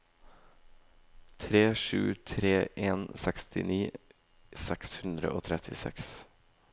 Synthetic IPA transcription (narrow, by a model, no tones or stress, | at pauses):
t̪ʰɾeːʃʉ̰ːt̪ʰɾeːʔeːnsɛkst̪ɪniː | sɛkshʉnd̪ɾə̰ʔoːt̪ʰɾɛt̪ʰɪsɛ̰ks